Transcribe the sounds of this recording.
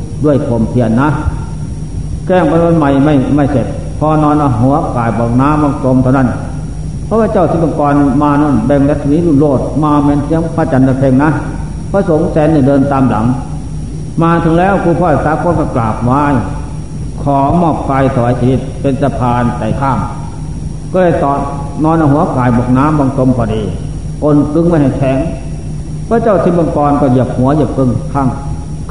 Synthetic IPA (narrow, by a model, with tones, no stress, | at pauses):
du˧˨əjkʰo˨˩mt̪ʰi˧˨ənːa˧˥ | kɛː˧˩˨ŋpa˧˨a˧˥˨nma˧˩jma˧˩jma˧˩jse˨˩t̪̚ | pʰɔː˧nɔː˧˨naː˧˩ɦɔː˧˦ɐ˧kaː˨˩jpɔː˨˩k̚naː˧˥˨mːɔː˧˩ŋto˧˨mt̪ʰa˧wna˧˥˩n | pʰɔː˧˦wʰaː˧t͡ɕa˧˩˨wsʰi˧˦˩ɔ˧˨nkɔː˧nmaː˧nɔː˧˥˩nbɛ˧ŋlɛ˧t̪̚sniː˧˥˨lu˧˩˨loː˧˩t̪̚maː˧˩mɛː˧˨nsʰi˧˥əŋpʰaː˧˩t͡ɕa˨˧˨naː˧pʰe˧˨ŋna˧˥˨ | pʰɔ˧so˨˦ŋsɛː˧˦nːi˧˩dɤː˧nt̪aː˧˨mla̰˨˦ŋ | maː˧t̪ʰɯ˨˦ŋlɛː˦˥˩wkʰuː˧pʰɔː˧˩a˧˩saː˧˦˥kʰo˧˥˨nkʰɔː˧˩klaː˨˩p̚waː˧˥˨j | kʰɔː˨˦mɔː˧˩p̚fa˧jsʰa˧wa˨˦jsʰiː˧˩i˧˩t̪̚pe˧nsa˧pʰaː˧nt̪a˨˩jkʰaː˧˩ŋ | kɔː˧˩lɤː˧˩jt̪ɔː˨˩t̚ | nɔː˧nʔa˧ɦu˨˦ɐkaː˨˩jbɔː˨˩k̚naː˦˧˥mbɔː˧ŋt̪o˧mkʰɔː˧˩diː˧˩ | ʔo˧˨nkɯ˧ŋmaː˧˩jha˧˩jt̪ʰɛː˨˩ŋ | pʰɔː˧˥˦t͡ɕaː˧˥˩wt̪ʰiː˧˩bɔː˧˨ŋkɔː˧nkɔː˧˩ji˧˩əp̚hu˨˦ɐji˧˩əp̚kɯ˧ŋkʰa˧˥˩ŋ